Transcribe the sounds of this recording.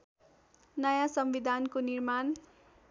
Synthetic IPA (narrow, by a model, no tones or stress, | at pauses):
nʌjasʌmwid̪ʱankonirman